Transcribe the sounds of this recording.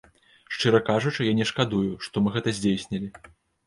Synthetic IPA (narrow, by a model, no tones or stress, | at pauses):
ʂt͡ʂɨɾɐkaʐut͡ʂɨjanʲɛʂkad̪ujuʂt̪ɔmɨɣɛt̪ɐzʲd͡zʲejsʲnʲɐlʲi